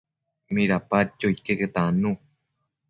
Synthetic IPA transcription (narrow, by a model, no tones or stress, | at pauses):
mĩɾapat͡ʃoikeket̪anũ